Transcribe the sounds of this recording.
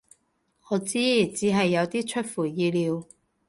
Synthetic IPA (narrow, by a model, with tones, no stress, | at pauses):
ŋɔː˨˧t͡siː˥t͡siː˨˥ɦɐ˨jːɐ˨˧wt̪iː˥t͡ʃʰɵ˥t̚fuː˨˩jiː˧liː˨˧w